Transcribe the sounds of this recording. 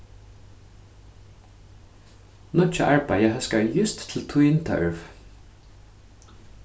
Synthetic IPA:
nʊt͡ʃːaʔaɹpajəɦœskaɹjʏst̪ːʰɪlt̪ʰʊjɪnt̪ʰœ̰ɹv

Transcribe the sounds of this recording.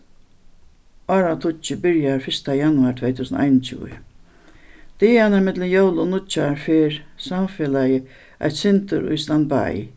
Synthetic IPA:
aːɾat̪ʰʊt͡ʃɪbɪɹjaɹfɪst̪ajanʊaɾt̪ʰvɛjt̪ʰuːsən̰ʔa̰jnt͡ɕʰṵːə̰ | t̪ɪanaɾmɪt̪lənjowlʊnʊt͡ʃaɹfeːɾsamfeːlajə | ʔa̰jt̪sɪnt̪ʊɾʊ̰jst̪anba̰j

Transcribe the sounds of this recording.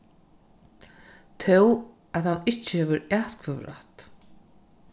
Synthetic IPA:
t̪ʰew | aðhanːɪht͡ɕːɪhɛːvʏɾaːt̪kʰvœvɾa̰ht̪

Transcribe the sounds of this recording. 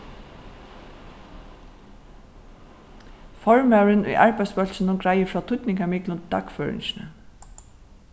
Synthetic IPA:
fɔɹmæɹənʏ̰jʔɑ̰ɹbæɪspœlsənʊɡɹæɪəfɹɑːt̪ʰʊt̪nɪŋkamɪklʊnd̪ɑ̰kføːɹɪ̰nʃnə

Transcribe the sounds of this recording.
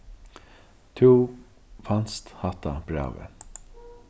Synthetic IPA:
t̪ʰuː | fanst̪hat̪ab̥ɾa̰ːwə̰

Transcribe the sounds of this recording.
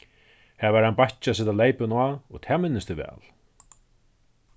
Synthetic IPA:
hɛvaɾhanpajht͡ʃasɛt̪aleːjpɪnwaɔ̰ɣt̪ʰɛːmɪnːɪst̪ɪvɛ̰ːl

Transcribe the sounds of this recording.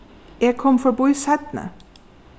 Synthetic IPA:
eːɡ̚kʰɔmfɔbʊʏsæt̪n̩ə̰

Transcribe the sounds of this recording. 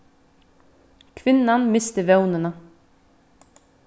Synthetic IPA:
kʰvɪnːanmɪst̪ɪvjoːwnɪna

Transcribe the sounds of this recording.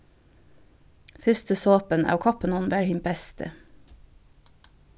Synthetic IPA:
fʏst̪əsoːpənʔɑ̰ːʋkʰɑpənɔnʋæːɹhɪmbɛst̪ʰə̰

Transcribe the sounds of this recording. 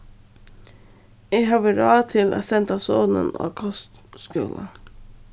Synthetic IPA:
eːhɑːʋəɾɑːt̪ʰɪlʔæ̰ːsɛnt̪ɑːsoːnə̰no̰ːkʰɔst̪skʉ̰ːlʔə̰

